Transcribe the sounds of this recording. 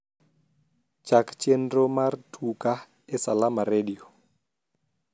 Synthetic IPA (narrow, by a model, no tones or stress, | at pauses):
t͡ʃakt͡ʃɛndɾɔmartʰuka | ɛsalamaɾeɗio